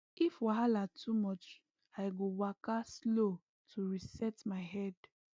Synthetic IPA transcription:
ifwaɦalatʰumɔt͡ʃ | aɪɡowakaslo | tʰuɹisɛtmaɪhɛd̥

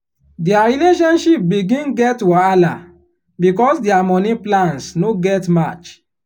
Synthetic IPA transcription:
diaɹileʃ̬ɔ̃nʃip̚biɡĩnɡɛtwɔala | bikɔsdiamɔnĩplãnsnoɡɛtmat͡ʃ

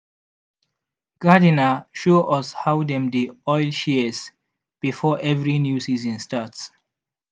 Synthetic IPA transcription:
ɡ̥adinaʃoʔɔshawdɛ̃mdiɔjlʃiəs | b̥ifɔʔɛvɹinjusizɔ̃nstats

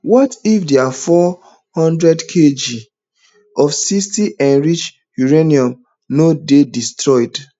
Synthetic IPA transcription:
wɔtifdɛafɔ | hɔ̃ndɹɛdkʰed͡ʒi | ɔfsistiʔɛ̃nɹit͡ʃ | juɹeniɔ̃m | nodedistɹɔjd̥

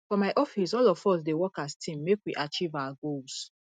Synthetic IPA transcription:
fɔmaɪʔɔfisɔlɔfɔs̬dewɔkastʰĩmːekwiʔat͡ʃivaaɡols

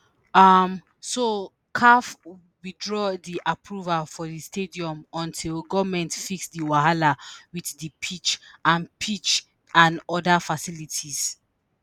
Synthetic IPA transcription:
am | so | kʰaf | widɹɔdiʔapʰɹuvafɔdistediɔ̃mɔ̃ntʰilɡɔvmɛ̃ntfiksdiwaɦalawiθdipʰit͡ʃãnpʰit͡ʃ | ãnɔdafasilitʰiz̥

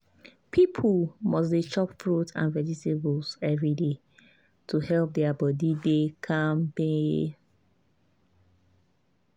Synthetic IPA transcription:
pʰipʰulmɔsdet͡ʃɔpfɹotã̰nvɛd͡ʒisebulsɛvɹide | tʰuhɛlp̚dɛabɔdidekʰãmpe

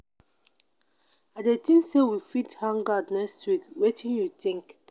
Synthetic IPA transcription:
adetĩnsewifithãŋɡanɛkstwikwetʰĩnjutĩŋk

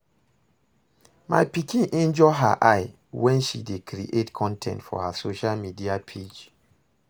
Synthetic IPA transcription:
maɪpikʰĩnʔɛ̃nd͡ʒɔɦa̰ʔaɪ | wɛ̃nʃidekʰɾiʔetkʰɔ̃ntʰɛ̰̃ntfɔ̰hasoʃalmidiapʰid͡ʒ

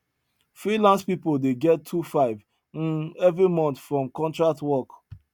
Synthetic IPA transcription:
fɹilãnspipoldeɡɛtʰːufaɪv̩ | ɛvɹimɔ̃nθfɹɔ̃mkɔ̃ntɹak̚twɔk

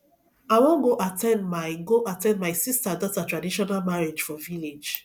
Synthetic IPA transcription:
aɪwɔ̃nɡoʔatɛ̃ndmaɪɡoʔatɛ̃ndmaɪsistadɔtatɹadiʃɔnalmaɹed͡ʒfɔviled͡ʒ

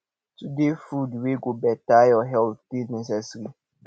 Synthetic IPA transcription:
tudefudweɡobɛtajɔɦɛlθĩnɛsɛsɾi

